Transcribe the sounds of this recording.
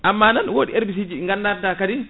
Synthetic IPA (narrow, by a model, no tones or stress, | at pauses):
ʔamːananwoːɗiʔeɾbis̬id͡ʒiɗiŋɡandaɾdakadin